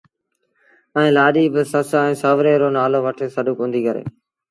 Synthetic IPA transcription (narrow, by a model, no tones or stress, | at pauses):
ɛ̃ːlaːɗiːbɪsəsaːɛ̃ːsəʋɾeːɾoːnaːloːʋəʈʰeːsəɗukɦõːnd̪iːkəɾḛː